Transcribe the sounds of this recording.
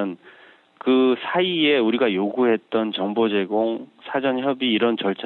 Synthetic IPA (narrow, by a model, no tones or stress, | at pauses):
n | kɯsʰaie̞uɾiɡajoɡuɦe̞t̚t͈ʌnt͡ɕʌŋbod͡ʑe̞ɡoŋsʰad͡ʑʌnçjʌbiːɾʌnt͡ɕʌɭt͡ɕʰa